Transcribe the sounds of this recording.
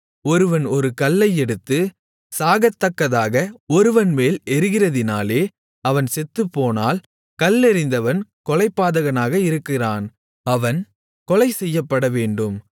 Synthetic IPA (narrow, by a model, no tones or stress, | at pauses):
ɔɾɯʋɐnɔɾɯkɐlːɐɪɛɽɯt̪ːɯ | saːɣɐt̪ːɐkːɐðaːɣɐɔɾɯʋɐnmeːlɛɾɯɣɪrɐðɪnaːleː | ɐʋɐnsɛt̪ːɯpːoːna̰ːl | kɐlːɛɾɪnd̪ɐʋɐnkɔlɐɪpːaːðɐɣɐnaːɣɐɪɾɯkːɪraːn | ɐʋɐn | kɔlɐɪsɛjːɐpːɐɽɐʋeːɳɖɯm